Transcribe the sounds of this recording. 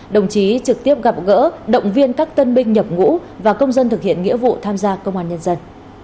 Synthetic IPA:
ɗə˨˩wŋ͡mt͡ɕi˨˦t͡ɕɨ˨˩k̚t̪i˦˥əp̚ɣa˨˩p̚ɣə̰˧˥ɗə̰˧˨wŋ͡mvi˧ənkaː˦˥k̚t̪ə˧nɓï˧ŋ̟ɲə˨˩p̚ŋṵ˧˥vaː˨˩kə˧wŋ͡mzə˧nt̪ɨ˨˩k̚hḭ˧˨ənŋḭ˧˥əvṵ˧˨t̪ʰaː˧mzaː˧kə˧wŋ͡mʔaː˧nɲə˧nzə˧n

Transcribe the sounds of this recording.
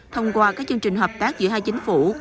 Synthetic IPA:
t̪ʰə˧wŋ͡mkwaː˧kaː˦˥k̚t͡ɕɨ˧əŋt͡ɕï˨˩ŋ̟ɦəː˨˩pt̪aː˦˥k̚zɨ̰˧˥əɦaː˧jt͡ɕï˨˦ŋ̟fu˧˩

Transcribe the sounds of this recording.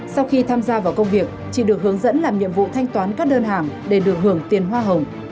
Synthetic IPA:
sa˧wxi˧t̪ʰaː˧mzaː˧vaː˨˩wkə˧wŋ͡mvi˨˩ək̚t͡ɕḭ˧˩ɗɨ˨˩ək̚hɨ˨˦əŋzə̰˧˥nlaː˨˩mɲḭ˧˨əmvṵ˧˨t̪ʰa˧jŋ̟t̪waː˨˦nkaː˦˥k̚ɗəː˧nɦaː˨˩ŋɗe˧˩ɗɨ˨˩ək̚ɦɨ˧˩əŋt̪i˨˩ənɦwaː˧ɦə˨˩wŋ͡m

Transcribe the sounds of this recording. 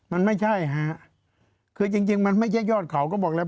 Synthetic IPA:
ma˧nma˥˩jt͡ɕʰa˥˩jɦa˦˥ʔ | kʰɯː˧t͡ɕi˧ŋt͡ɕi˧ŋma˧nma˥˩jt͡ɕʰa˥˩jɔː˥˩t̪̚kʰa˩˦wkɔː˥˩bɔː˨˩k̚lɛː˧˥

